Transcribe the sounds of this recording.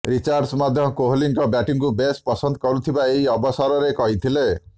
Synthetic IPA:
ɾit͡ʃaɾɖsmad̪ʱjɔkoɦliŋkɔbaʈiŋkubespɔsɔnd̪ɔkɔɾut̪ʰibaeɦiɔbɔsɔɾɔɾekɔɦit̪ʰile

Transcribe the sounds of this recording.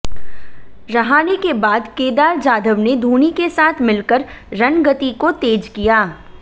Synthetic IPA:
ɾɐɦaːnekebaːd̪keːd̪aːɾd͡ʒaːd̪ʱəʋned̪ʱuːnikesaːt̪ʰmɪlkəɾɾɐnɡət̪ikot̪eːd͡ʒkijaː

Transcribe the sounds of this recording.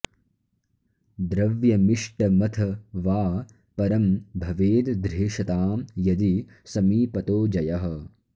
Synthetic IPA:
d̪ɾɐʋjɐmiʂʈɐmɐt̪ʰɐʋaː | pɐɾɐmbʱɐʋeːd̪d̪ɾeːʂɐt̪aːmjɐd̪i | sɐmiːpɐt̪oːd͡ʒɐjɐɦɐ̆

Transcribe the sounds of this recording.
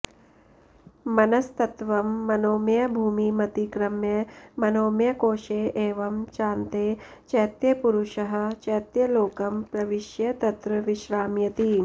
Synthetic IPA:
mɐnɐst̪ɐt̪ʋɐmːɐnoːmjɐbʱuːmimɐt̪ikɾɐmjɐmɐnoːmjɐkoːʃeːʔeːʋɐmt͡ʃaːnt̪eː | t͡ʃɐjt̪jɐpuɾuʃɐɦɐ̆t͡ʃɐjt̪jɐloːkɐmpɾɐʋiʃjɐt̪ɐt̪ɾɐʋiʃɾaːmjɐt̪i

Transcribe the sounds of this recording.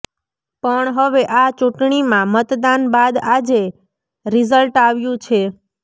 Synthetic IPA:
pəɳɦəʋeʔat͡ʃũʈɳimãmət̪d̪anbad̪ad͡ʒe | ɾizəlʈaʋjũt͡ʃʰe

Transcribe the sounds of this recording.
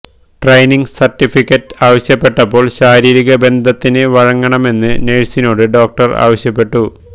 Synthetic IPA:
ʈrɐjniŋɡsɐrtːifikːɐʈːaːʋɐɕjɐpːe̞ʈːɐpːo̞ːɭɕaːɾiːɾiɣɐbe̞nd̪ʱɐt̪ːinɨʋɐɻɐŋːɐɳɐme̞nːɨneɻsino̞ːɽɨɖo̞ːk̚ʈɐra̰ːʋɐɕjɐpːe̞ʈːu

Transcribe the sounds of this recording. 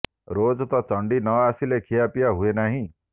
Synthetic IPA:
ɾod͡ʒt̪ɔt͡ʃɔɳɖinɔasilekʰijapijaɦuenaɦĩ

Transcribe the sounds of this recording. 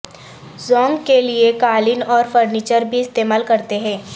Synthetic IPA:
zɔ̃ːŋɡkeliekaːlɪnɔːɾfəɾniːt͡ʃəɾbʱiɪst̪eːmaːlkɐɾt̪eɦɛ̃ː

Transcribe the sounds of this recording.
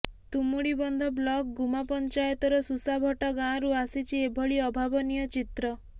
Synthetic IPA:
t̪umuɽibɔnd̪ʱɔblɔk̚ɡumapɔnt͡ʃajɔt̪ɔɾɔsusabʱɔʈɔɡãɾuasit͡ʃʰiebʱɔɭiɔbʱabɔnijɔt͡ʃit̪ɾɔ

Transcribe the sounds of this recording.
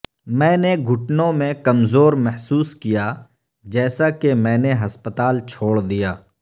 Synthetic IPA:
mɛ̃ːneɡʱʊʈnõmẽkɐmzoːɾmɛɦsuːskija | d͡ʒɛːsakemɛ̃ːneɦɐspət̪aːlt͡ʃʰoːɽd̪ijaː

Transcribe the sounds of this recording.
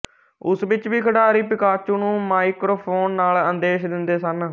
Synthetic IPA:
ʊsʋɪt͡ʃʋiːkʰəɽaːɾiːpɪkaːt͡ʃũːnũːmaːikɾoːpʰoːnːaːlənd̪eːʃd̪ɪnd̪eːsən

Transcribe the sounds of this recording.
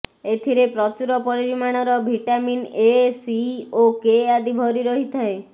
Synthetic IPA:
et̪ʰiɾepɾɔt͡ʃuɾɔpɔɽiɾimaɽ̃ɔɾɔbʱiʈaminesiokead̪ibʱɔɾiɾɔɦit̪ʰae

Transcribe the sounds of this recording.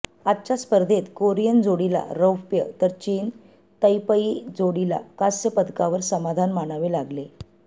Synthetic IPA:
atːt͡ɕaspəɾd̪ʱet̪koɾijənd͡zoɽila̰ɾəwpjə̰t̪əɾt͡ɕiːn | t̪əjpəid͡zoɽila̰kasjəpəd̪kaʋəɾsəmad̪ʱanmaɽ̃aʋelaɡle

